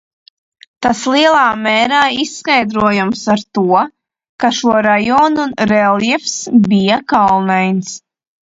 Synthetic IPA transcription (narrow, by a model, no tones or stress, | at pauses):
t̪aslˠiɛlˠaːmɛːɾaːisːkajd̪ɾuɔjumsaɾt̪uɔ | kaʃuɔɾajɔːnuɾɛljɛfsbijakalˠnɛjns